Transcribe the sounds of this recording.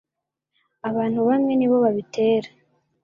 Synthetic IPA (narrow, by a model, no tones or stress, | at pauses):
aβaːn̥huβamŋe̞niːβo̞βaβitʰe̞ːɾḁ